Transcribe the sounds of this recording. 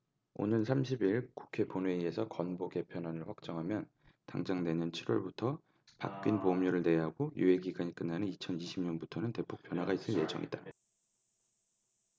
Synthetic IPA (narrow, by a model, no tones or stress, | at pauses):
o̰nɯnsʰamɕʰibiɭku̥kʰe̞ponwe̞ie̞sʰʌkʌnboke̞pʰjʌnwanɯɭɸwak̚t͡ɕ͈ʌŋɦamjʌn | taŋd͡ʑaŋne̞ɲʌnt͡ɕʰiɾwʌɭbutʰʌ | pa̰k̚k͈inpomɲuɾɯɭne̞ɦaɡojṵe̞ɡiɡaɲik͈ɯnːanɯnit͡ɕʰʌniɕʰimɲʌnbutʰʌnɯnte̞pʰok̚p͈jʌnɦwaɡais͈ɯnje̞d͡ʑʌŋʔḭda